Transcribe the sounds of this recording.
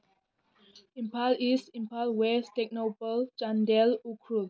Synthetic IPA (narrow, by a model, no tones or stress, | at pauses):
ĩmpalisĩmpalwɛstɛk̚nopəld͡ʒãndɛlukʰɹul